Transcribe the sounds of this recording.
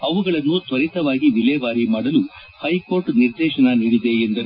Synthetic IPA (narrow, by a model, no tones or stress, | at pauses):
ɐʋuɡɐɭɐnːut̪ʋɐɾit̪ɐʋaːɡiʋilɛːʋaːɾimaːɽɐlu | hɐjkoːɾʈniɾd̪ɛːʃɐnɐniːɽid̪e̞end̪ɐɾu